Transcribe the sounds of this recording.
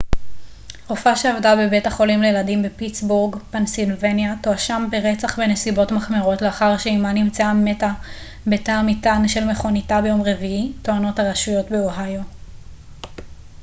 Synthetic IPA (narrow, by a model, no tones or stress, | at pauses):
ʁofaʃeavdabe̞betaχo̞limlejeladimbe̞pit͡sbuʁɡpansilvenjato̞aʃambeʁet͡saχbenesibo̞tmaχmeʁo̞tleaχaʁʃeimanimt͡seame̞ta | betaːmitanʃe̞lmeχo̞nitabe̞jo̞mʁe̞viito̞ano̞thaʁaʃujo̞tbeoɦajo̞